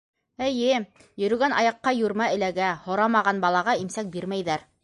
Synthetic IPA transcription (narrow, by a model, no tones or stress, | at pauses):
ɘ̆jɘ | jɵ̆ɾɵ̆ɡænʔɑ̰jɑqːɑjuɾmæɘ̆læɡæhŏɾɑmɑʁɑnbɑlˠɑʁɑimsæk̚biɾmæjðæɾ